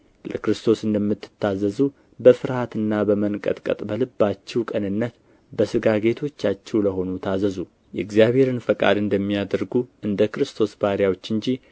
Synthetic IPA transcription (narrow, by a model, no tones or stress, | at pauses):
ləkɾɨst̪ʰo̞sɨnd̪əmːɨt̪ːɨ̥t̪ːazəzu | bəfɨɾhat̪ɨnːabəmənkʼə̰t̪ʼkʼə̰t̪ʼbəlɨbːat͡ʃːɛwkʼənɨnːət̪ | bəsɨɡaɡe̞t̪ʰo̞t͡ʃːat͡ʃːɛwləɦo̞nut̪ʰazəzu | jɛɡzijaβhe̞ɾɨnfəkʼa̰d̪ɨnd̪əmːijad̪əɾɡuʔɨnd̪əkɾɨst̪ʰo̞sbaɾjawo̞t͡ʃːɨɲd͡ʒi